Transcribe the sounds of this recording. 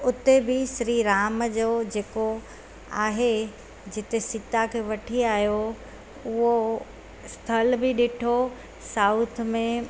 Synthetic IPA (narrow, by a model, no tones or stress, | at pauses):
ʊt̪ebɪsɾiɾaːmd͡ʑoːd͡ʑeːko | aːɦe | d͡ʑɪt̪esɪt̪akʰeːʋɐʈʰiaːɦjo | ʊɦo | st̪ʰɐlbɪɗɪʈʰo | saːʊt̪ʰmẽ